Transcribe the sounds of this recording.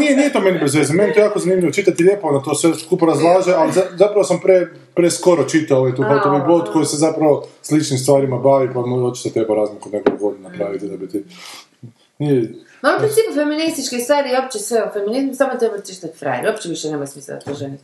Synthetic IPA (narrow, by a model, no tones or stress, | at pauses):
nijenijet̪omenibezʋeːzameniet̪ojaːkozanimʎʲiʋot͡ʃit̪at̪iʎʲe̞poonat̪osʋeskuːpoɾazlˠaːʒealizazapɾaʋosampɾe | pɾesko̞ɾot͡ʃit̪aoet̪uːxat̪oʋiblod̪ko̞jisezapɾaʋoslit͡ʃnimst̪ʋaːɾimabaːʋipamuot͡ʃi̥t̪ot̪ɾebaɾaːzmikuneɡokoɡod̪napɾaːʋit̪id̪abit̪i | ni | mauppɾinsiːpufeminist̪it͡ʃkist̪ʋaːɾiop̚t͡ʃesʋeofeminizmsamot̪ɾebad̪t͡ʃi̥t̪at̪fɾa̰jɾopt͡ʃeʋiʃɛnemojsmislɛ̰d̪a̰t̪oʒeni